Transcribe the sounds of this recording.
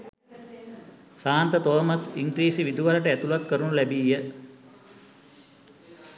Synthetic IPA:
saːnt̪ət̪oːməsiŋkɾiːsiʋid̪uʋaləʈəæt̪ulakːəɾunulɛbiːjə

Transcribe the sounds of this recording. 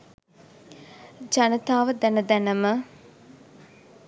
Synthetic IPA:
d͡ʒanət̪aːʋəd̪ænəd̪ænəmə

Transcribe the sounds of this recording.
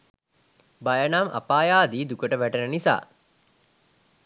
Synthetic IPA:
bajənamʔa̰paːjaːd̪iːd̪ukəʈəʋæʈenənisa̰ː

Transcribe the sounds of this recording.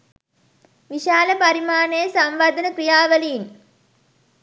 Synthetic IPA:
ʋiʃaːləpɐɾimaːnejəsɐmʋad̪ənəkrijaːʋəliːn

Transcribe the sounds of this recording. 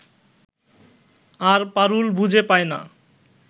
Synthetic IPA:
aɾpaɾulbud͡ʑʱepajna̰

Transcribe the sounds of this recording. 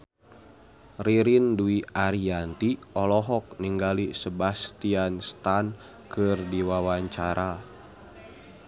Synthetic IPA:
riɾinduiaɾiant̪iɔlɔɦɔk̚niŋɡalisəbast̪ianst̪an | kɨrdiwawaɲt͡ʃaɾʔa

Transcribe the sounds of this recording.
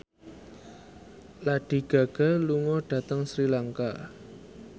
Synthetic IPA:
laɖ̥i̤ɡ̥a̤ɡ̥a̤luŋɔɖ̥ä̤t̪əŋsɾilaŋka̰

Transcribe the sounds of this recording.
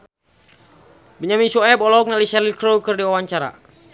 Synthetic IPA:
biɲaminsuɛbɔlɔk̚nalisɛlikɾowkərdiwawaɲt͡ʃaɾa̰

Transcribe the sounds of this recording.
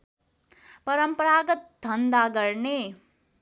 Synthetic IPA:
pɐɾəmpɐɾaːɡɐt̪̚d̪ʱɐnd̪aːɡɐɾɳeː

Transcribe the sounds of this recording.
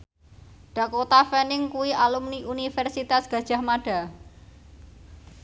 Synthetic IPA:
ɖ̥a̤kot̪afɛnɪŋkuwiʔalumniʔunifɛrsit̪asɡ̥ä̤d̥ʒ̥ä̤hmaɖ̥a̤

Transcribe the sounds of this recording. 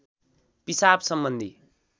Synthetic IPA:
pisabsʌmbʌnd̪ʱi

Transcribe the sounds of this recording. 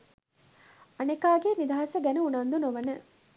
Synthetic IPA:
ɐnekaːɡenid̪aɦɐsɐɡɛnuunɐnd̪unoʋɐnə

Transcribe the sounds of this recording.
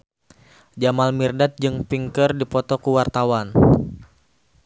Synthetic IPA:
d͡ʒamalmirdat̪̚d͡ʒɨŋpiŋkərdipɔt̪ɔkuwart̪awan

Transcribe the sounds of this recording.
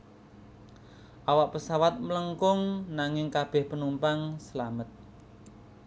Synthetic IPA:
ʔawaʔpəsawat̪̚mələŋkʊŋnaŋɪŋkab̥ɛ̤hpənumpaŋsəlamət̪̚

